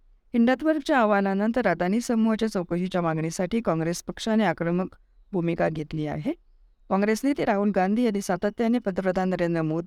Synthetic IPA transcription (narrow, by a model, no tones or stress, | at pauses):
hiɳɖat̪ʋəɾɡt͡ɕjaːʋalãnənt̪əɾːad̪aniːsəmuɦat͡ɕjat͡səwkəɕit͡ɕjamaɡɳisaʈiːkɔ̃ŋɡɾespəkʂaneakɾəmək | bʱumikaɡʱet̪liːa̰ɦe | kɔ̃ŋɡɾesnit̪eɾaɦuːlɡand̪ʱiːanisat̪at̪janepəd̪əpɾəd̪ʱannəɾend̪ɾəmod̪